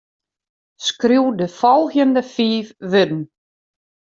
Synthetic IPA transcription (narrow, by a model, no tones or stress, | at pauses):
skruwdəfɔlˠxjəndəfiːfʋʏdn̩